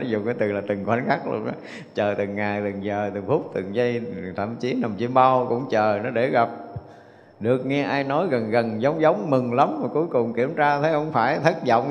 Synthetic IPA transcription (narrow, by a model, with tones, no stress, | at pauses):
nɔ˨˦zʊ˨˩ŋ͡mkaː˨˦jt̪ɨ˨˩laː˨˩t̪ɨ˨˩ŋkwa˨˦nxa˦˥k̚lṵ˧ənʔa̰˨˦ | t͡ɕəː˨˩t̪ɨ˨˩ŋːaː˨˩jt̪ɨ˨˩ŋzəː˨˩t̪ɨ˨˩ŋfʊ˦˥k͡p̚t̪ɨ˨˩ŋzə˧jt̪ʰə̰˧˩mt͡ɕi˨˦na˨˩mt͡ɕi˧əmɓa˧wkʊ̰˧˥ŋ͡mt͡ɕəː˨˩nɔ˨˦ɗe˧˩ɣa˨˩p̚ | ɗɨ˨˩ək̚ŋɛ˧ʔaː˧jnɔ˨˦jɣə˨˩nɣə˨˩nzə˨˦wŋ͡mzə˨˦wŋ͡mmɨ˨˩ŋlə˨˦mmaː˨˩ku˨˦əjkʊ˨˩ŋ͡mki˧˩əmt͡ɕaː˧t̪ʰe˨˦hə˧wŋ͡mfaː˧˩jt̪ʰə˦˥t̚zɔ̰˧˨wŋ͡m